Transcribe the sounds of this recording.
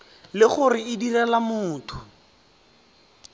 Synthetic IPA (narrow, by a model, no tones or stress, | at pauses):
lɪχʊrɪɪdirɛlamʊːtʰʊ